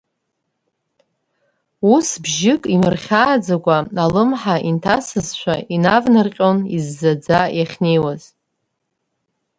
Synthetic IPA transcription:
usbʒɪkʼimɨrχʲaːd͡zaɡʷʼaalɨmħaʔintʰasɨzʃʷʰainavnɨrqʲʼonizːad͡zajaχʲne̞jwaz

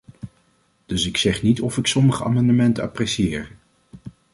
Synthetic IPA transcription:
d̥ɵsɪksɛχnitɔfɪksɔməχəa̰ːmɑndəmɛntəa̰prɛsiɪːɹ

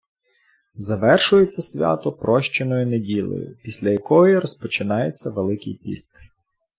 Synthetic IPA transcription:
zɐʋɛrʃʊjet͡sʲːɐsʲʋʲa̰t̪ɔpɾɔʃt͡ʃenɔjʊnedʲilˠɔ̰jʊ̰pʲisʲlʲɐjɐkɔjiɾɔspɔt͡ʃɪnɑjet͡sʲːɐʋelˠɪkʲijpʲḭst̪

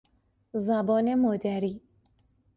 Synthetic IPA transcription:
zabɔnemod̪aɾi

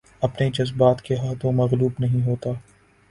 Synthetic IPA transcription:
ɐpned͡ʒɐzbaːt̪keɦaːt̪ʰõmɐɣluːbnɐɦĩɦoːt̪aː

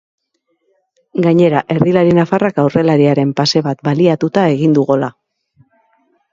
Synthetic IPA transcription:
ɡaɲe̞ɾaʔe̞ɾðilaɾinafarakawre̞laɾiaɾe̞mpase̞βat̪baliat̪ut̪ae̞ɣ̞ind̪uɣola

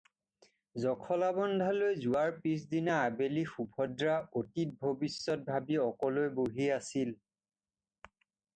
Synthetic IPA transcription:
zɔkʰɔlabɔndʱalojzuwaɹpis̬dinaːbelixubʱɔdɹaotit̚bʱobisːɔt̚bʱabiɔkɔlojboɦiasil

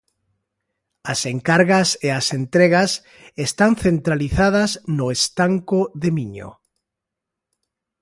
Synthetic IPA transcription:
aseŋkaɾɣaseasent̪ɾeɣas | est̪anθent̪ɾaliθað̞aznoest̪aŋkoðemiɲo̰

